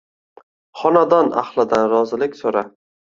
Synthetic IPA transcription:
χɒnad̪ɒna̰χlˠɪd̪anɾɒzɪlɪkʲsoɾa

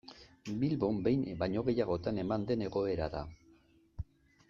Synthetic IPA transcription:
bilβo̞mbe̞jnbajɲo̞ɣe̞jaɣ̞o̞t̪ane̞mand̪e̞ne̞ɣo̞e̞ɾa̰ða̰

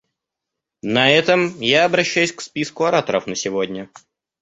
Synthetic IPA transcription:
nɐɛt̪əmjaɐbɾɐɕːæjʉsʲkspʲiskʊɐɾat̪əɾəfnəsʲɪvodʲnʲə

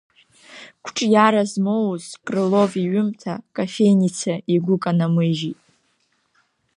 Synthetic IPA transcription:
kʷʰʈ͡ʂʼjaɾazmowzkʼrɨlo̞viɥʏmtʰakʼafe̞jnit͡sʰaiɡʷʊkʼanamɨʒitʼ

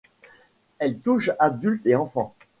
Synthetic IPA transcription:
ɛlt̪uʃad̪ylt̪eɑ̃fɑ̃

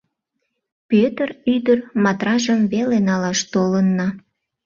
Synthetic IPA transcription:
pøt̪əryd̪ərmɑt̪rɑʒəmβelenɑlɑʃt̪olənːɑ

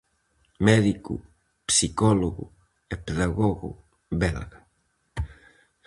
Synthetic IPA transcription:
mɛðikṵ | psikɔloɣṵ | epeðaɣoɣṵ | bɛlɣɐ

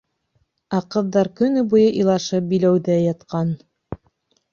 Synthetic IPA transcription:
ɑqɤ̆ðːɑɾkɵ̆nɘbujɤʔilˠɑʃɤp̚bilæwðæjɑt̪qɑn

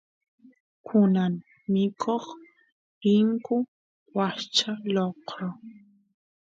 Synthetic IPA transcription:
kʰʊnaŋ | mɪkʰoχ | ɪŋkʊ | wat͡ʃaloqɾo

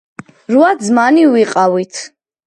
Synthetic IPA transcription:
ɾuad̪zmaniwiqʼawit̪ʰ

